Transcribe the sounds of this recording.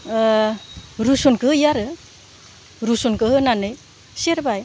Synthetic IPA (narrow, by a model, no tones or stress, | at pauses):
ɾusunkɯjaɾɯ | ɾusunkɯɦɯnanɯj | seɾbaj